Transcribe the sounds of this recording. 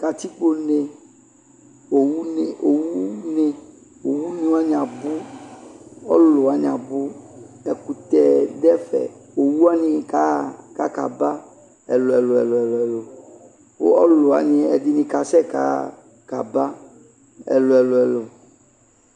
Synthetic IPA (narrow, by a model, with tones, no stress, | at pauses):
ka˨t̪i˦k͡po˦ne˨ | o˨wu˦ne˨o˨wu˦ne˨ | wo˨wu˦nĩ˦wa˦ɲã˨bu˦ | ɔ˦lo˨a˨ɲã˨bu˦ | ɛ˨ku˨t̪ɛ˨dɛ˦fɛ̰˨o˨wu˦a˦ɲĩ˦ka˦ka˦ka̰˨ba˦ | ɛ̰˨lo˨ɛ˨lo˨ɛ̰˨lo˨ɛ˨lɛ˨lo˨ | wo̰˦ɔ˦lo˨a̰˨ɲĩ˨˦ɛ˨di˨˦nĩ˨ka˨sɛ˦ka̰˨˦ | ka˨ba˦ | ɛ̰˨lo˨ɛ˨lo˨ɛ˨lo˨